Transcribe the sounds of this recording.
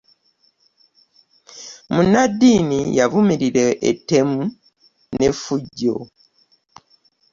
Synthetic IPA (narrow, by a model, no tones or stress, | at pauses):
munadːiːnijavumiɾiɾeʔːte̞mu | ne̞fuɟːo̰